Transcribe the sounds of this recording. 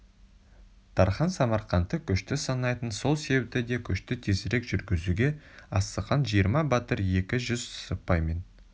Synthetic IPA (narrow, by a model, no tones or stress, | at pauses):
t̪ʰɑɾχɑnsɑmɑɾqɑnt̪əkʲʰʏʃt̪ɪsɑnɑjt̪ənso̞lˠse̞bep̚t̪ɪd̪e̞kʲʰʏʃt̪ɪt̪ʰe̞sɪɾe̞kʒ̥ʏɾɡʲɪzuɡʲe̞ɑst̪əqɑnʒijəɾmɑbɑt̪əɾje̞kʲɪʒʏzsəpɑjme̞n